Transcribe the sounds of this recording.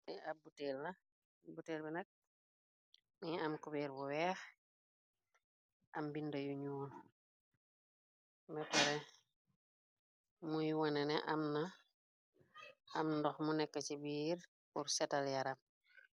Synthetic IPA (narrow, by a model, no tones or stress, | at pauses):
miabutɛlːɐ | buteːlbɛnɐk̚ | miamkubiːɾbuwɛːx | ʔɐmbindɐjuɲuːl | bɛpɛɾɛ | mujwanɛnɛʔamna | ɐmndɔxmunɛkːəcibiːɾ | kuɾsɛtaljaɾam